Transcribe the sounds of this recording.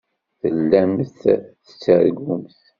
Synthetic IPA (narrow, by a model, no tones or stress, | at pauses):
θəlːæmθθə̥t͡sːəɾɡʊmθ